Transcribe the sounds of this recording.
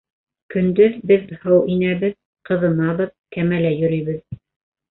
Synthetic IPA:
kɵ̆nd̪ɵðbɘðhɤwʔinæβɘð | qɤ̆ðɤ̆nɑβɤðkæmælæjɵ̆ɾɵ̆jβɘð

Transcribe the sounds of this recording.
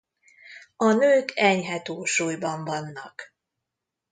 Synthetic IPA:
ɒnøːkʰɛɲɦɛt̪oːʃuːjbɒɱvɒnːɒk

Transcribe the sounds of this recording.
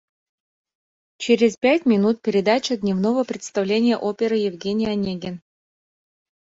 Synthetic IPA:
t͡ɕeɾʲɪzpʲætʲmʲɪnut̪̚pʲɪɾʲɪd̪at͡ɕəd̪ʲnʲɪvnovəpɾʲɪt̪st̪ɐvlʲenʲɪjəʔopʲeɾɨjɪvɡʲenʲɪjanʲeɡʲen

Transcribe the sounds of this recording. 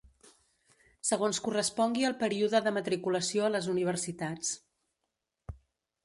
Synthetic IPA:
səɣonskurəspɔŋɡiəlˠpəɾiuðəðəmət̪ɾikuləsioələzuniβ̞əɾsit̪at͡s

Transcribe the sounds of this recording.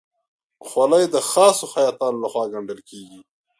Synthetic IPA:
xwalajd̪əxɑsoxajɑːt̪ɑnolaxwɑːɡaɳɖəlkeɡi

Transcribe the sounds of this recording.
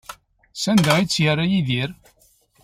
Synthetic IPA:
sænd̪əit͡sːjərːajiðiɾ

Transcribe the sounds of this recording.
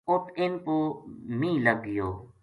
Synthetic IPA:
ʊt̪ʰɪnpoːmĩːləɡɪjoː

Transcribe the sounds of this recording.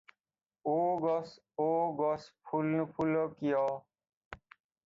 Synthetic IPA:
oːɡos | oːɡospʰulpʰuloːkɪjoː

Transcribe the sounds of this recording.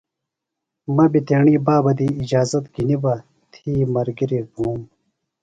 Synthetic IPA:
mɐbit̪eːɳiːbaːbɐd̪iːd͡ʑaːzɐt̪ɡinibɐ | t̪ʰiːmɐɾɡiɾiɡuːm

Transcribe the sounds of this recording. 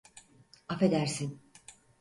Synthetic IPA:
afe̞d̪æɾsin

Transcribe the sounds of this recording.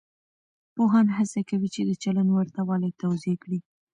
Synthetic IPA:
poɦɑnɦasakawit͡ʃed̪ət͡ʃalanwaɾt̪awɑlat̪awzekɽi

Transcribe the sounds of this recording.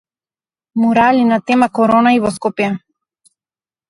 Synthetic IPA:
muɾalinat̪ɛmakoɾonaivoskopja

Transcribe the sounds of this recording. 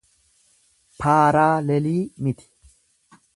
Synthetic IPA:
pʰaːɾaːlɛliːmɪt̪ɪ̥

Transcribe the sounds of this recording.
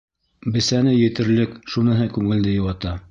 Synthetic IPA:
bɘ̆sænɘjɘ̆t̪ɘ̆ɾlɘkʃunɤ̆ɦɤkʉŋɘ̆ld̪ɘjŏwɑt̪ɑ

